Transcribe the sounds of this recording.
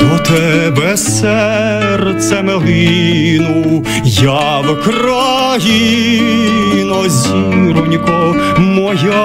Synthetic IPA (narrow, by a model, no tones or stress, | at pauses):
ɔt̪ɛbɛ | sɛ | rt̪sɛmɛɦɪ | nu | jɑ | ʋkrɑ | ɦi | nɔzʲiɾɔnʲkɔ | mɔja